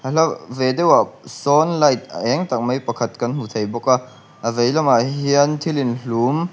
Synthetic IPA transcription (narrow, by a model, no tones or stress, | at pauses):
halɐvedewasɔnlɐjt̪̚ə̰ʔɛŋt̪ɐk̚mɐjpɐkʰɐt̪̚kɐnɦut̪ʰejbɔka | ʔəvejlɐmaɦiənt̪ʰilinɬum